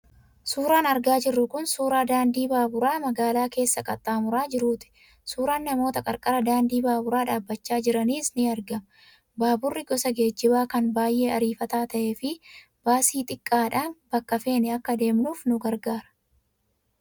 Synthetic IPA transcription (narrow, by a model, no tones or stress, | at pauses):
suːɾaːnɐɾɡaːd͡ʒɪrːʊkʊnsuːɾaːd̪aːnd̪iːbaːbʊɾaːmɐɡaːlaːke̞ːsːɐkʼɐt̪ʼːaːmʊɾaːd͡ʒɪɾuːt̪ɪ̥ | suːɾaːnːɐmo̞ːt̪ɐkʼɐɾkʼɐɾɐd̪aːnd̪iːbaːbʊɾaːᶑaːbːɐt͡ʃːaːd͡ʒɪɾɐniːsniːɐɾɡɐm | baːbʊrːɪɡɔsɐɡe̞ːd͡ʒːɪbaːkɐnbaːjʔe̞ːɐɾiːfɐt̪aːt̪ɐʔeːfɪ | b̥aːsiːt̪ʼɪkʼːaːᶑaːnb̥ɐkːɐfe̞ːnɛɐkːɐd̪e̞ːmnuːfnʊɡɐɾɡaːɾɐ̥